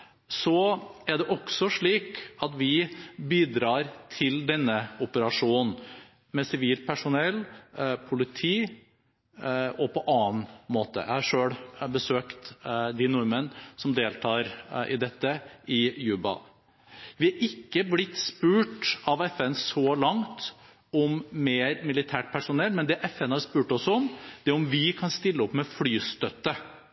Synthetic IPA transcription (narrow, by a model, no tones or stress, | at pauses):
sɔæɖɛʔɔksɔʂɭiːkɑt̪ʋɪbiːd̪ɾɑːɾt̪ʰɪld̪ɛnːəʊpəɾɑʂuːnn̩ | mɛsɪʋiːlpʰæʂʊnɛlpʰʊlɪt̪ʰiː | ɔpʰɔʔɑːnmoːt̪ə̰jæhɑɾʂøːɽbəsøːkt̪d̪ɪnɔɾmənsɔmd̪eːlt̪ʰɑːɾʔɪ̰d̪ɛt̪ːəɪjʉːbɑ̰ | ʋɪɑɾʔɪkːəblɪt̪ːspʉːʈɑʋɛfɛnsɔlɑŋt̪ | ɔmːeːɾmɪlɪt̪ʰæːʈ̚pʰæʂʊnɛlːmɛnd̪ɛʔɛfɛnhɑɾʂpʉːʈɔsɔmd̪̥ɛæɾʊmʋɪkʰɑnst̪ɪlːəɔpːmɛflyːst̪œt̪ːə